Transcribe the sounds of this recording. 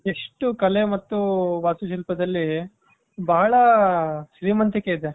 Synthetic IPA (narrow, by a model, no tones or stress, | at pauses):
eʂʈukɐle̞mɐt̪ːuʋaːsuʃ̬ilpɐd̪ɐlːi | bɐːɐɭɐʃɾiːmɐnt̪ike̞id̪e